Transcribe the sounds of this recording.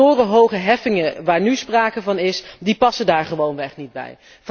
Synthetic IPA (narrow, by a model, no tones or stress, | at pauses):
ʊːrəɦowχəɦɛfɪŋəʋaːɹnyspraːkəvɑnɪsdipɑsədaːɹχəʋownʋɛχnid̚bɛ̰j | v